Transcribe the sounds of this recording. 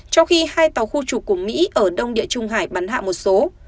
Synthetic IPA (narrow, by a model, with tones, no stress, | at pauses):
t͡ɕɔ˧wxi˧haː˧jt̪a˨˦wxu˧t͡ɕu˨˩k̚ːu˧˩əmḭ˧˥ʔəː˧˩ɗə˧wŋ͡mɗḭ˧˨ət͡ɕʊ˧ŋ͡mɦaː˧˩jɓa˨˦nha̰ː˧˨mo˨˩t̚so˨˦